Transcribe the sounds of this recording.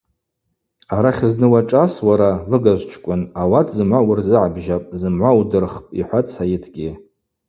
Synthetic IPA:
aɾaχʲznɨwaʈ͡ʂʼaswaɾalɨɡaʒʷt͡ʃʰkʷʼʊnawatʰzɨmʕʷawʊrzɨʕabʒapʼzɨmʕʷawudɨrχpʼḭħʷat͡sʰajɪtʰɡʲi

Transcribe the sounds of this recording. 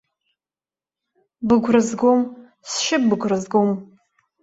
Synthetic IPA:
bɨɡʷʰrɨzɡom | sʃɪbɨɡʷrɨzɡom

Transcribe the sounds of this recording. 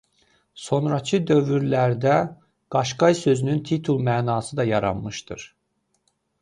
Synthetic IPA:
so̞nɾɑt͡ʃʰɯd̪ø̞vyɾlæɾd̪æ | ɡ̥ɑʃɡɑjsø̞zynynt̪ʰit̪ʰulˠmæːnɑːsɯd̪ɑjɑɾɑ̰nmɯʃt̪ɯ̰ɾ̥

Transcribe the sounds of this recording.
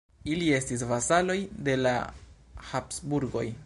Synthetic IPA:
ilie̞stis̬vasalo̞jde̞la̰ | hapsbuɾɡo̞̰j

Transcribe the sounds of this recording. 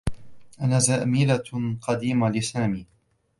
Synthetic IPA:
ʔanaːzaːmiːlaqɑd̪iːmalɪsaːmiː

